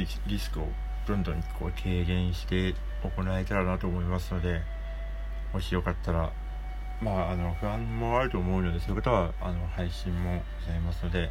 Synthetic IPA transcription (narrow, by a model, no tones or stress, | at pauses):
ɾʲisɨ̥kɯo̞̰ | d̪̥õ̞nd̪õ̞ɲ̟kʰo̞̰ːkʰe̞ːɡẽ̞ɰ̃ɕi̥t̪e̞ | oko̞nae̞t̪aɾanat̪o̞ːmo̞imasɨno̞d̪e̞ | hoɕijo̞kat̪ʰːaɾa | maːno̞ɸɯ̟ãmmo̞aɾɯ̟t̪o̞ːmo̞ɯ̟no̞d̪e̞so̞ɯ̟kat̪aβaano̞haiɕĩmːo̞ɡ̥ozaimasɨno̞d̪e̞